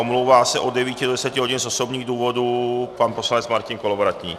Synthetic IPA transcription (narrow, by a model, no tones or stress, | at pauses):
omlowvaːsɛʔodɛviːcɪdodɛsɛcɪɦoɟinzosobɲiːɣduːvodupanposlaɲɛt͡smaɾcɪnkolavoɾat̪ɲḭː